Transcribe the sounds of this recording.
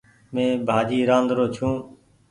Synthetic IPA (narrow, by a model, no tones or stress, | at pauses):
mẽːbʱaːd͡ʒiːɾãːnd̪ɾoːt͡ʃʰũː